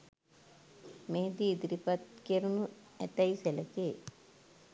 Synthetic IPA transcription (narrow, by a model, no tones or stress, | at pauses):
meɦd̪iːd̪ɾipɐt̪keɾunu | ɛ̰t̪ɐjselɐke